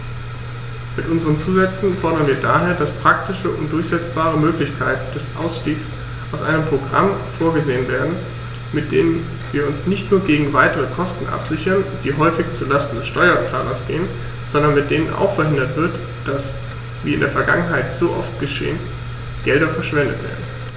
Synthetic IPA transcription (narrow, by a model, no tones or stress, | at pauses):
mɪtʔʊnzəʁ̞ənt͡suːzɛt͡sn̩fɔɐɾɐnviːɐda̰ːɦeːɐdaspʁ̥aktɪʃəʔʊntd̥ʊɐçz̥ɛt͡sb̥aːʁ̞əmøːklɪçkʰaɪtn̩d̥ɛsʔa̰ʊsʃtiːks | ʔaʊsʔa̰ɪnəmpʁ̥oɡʁa̰mfoːɐɡəzeːənveːɐdn̩ | mɪt̚d̥ḛːnən | viːɐʊnsnɪçtnuːɐɡeːɡŋ̩vaɪtəʁəkʰɔstn̩ʔa̰pz̥ɪçɐnd̥iːɦɔʏfɪçt͡sulastn̩dɛsʃtɔʏɐt͡sa̰ːlɐsɡ̥eːən | z̥ɔndɐnmɪt̚d̥eːnənʔa̰ʊxfɛɐɦɪndɐtv̥ɪɐt | d̥as | vḭːɪndeːɐfɛɐɡaŋənɦaɪtz̥oːʔɔftɡ̥əʃḛːən | ɡ̥ɛlɾɐfɛɐʃv̥ɛndə̰tv̥ḛːɐdn̩